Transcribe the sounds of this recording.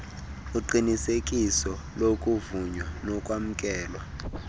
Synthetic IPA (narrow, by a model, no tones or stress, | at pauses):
uǃinisekʼisɔ | lokʼuvuɲwanɔkʼwam̩kʼɛːlwa